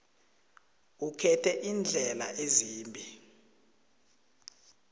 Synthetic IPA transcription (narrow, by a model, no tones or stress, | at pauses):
ukʰɛtʰɛʔind͡ɮʱɛlaʔeziːmbʱi